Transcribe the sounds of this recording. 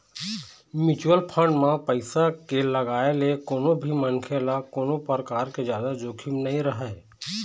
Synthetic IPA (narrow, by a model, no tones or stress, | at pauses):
mɪt͡ʃuwəlpʰə̃ɳɖmãpəɪsakeləɡaːelekoːnõbʱimənkʰeːlakoːnõpəɾkaːɾked͡ʒjaːd̪ad͡ʒoːkʰimnɐɦĩɾəɦa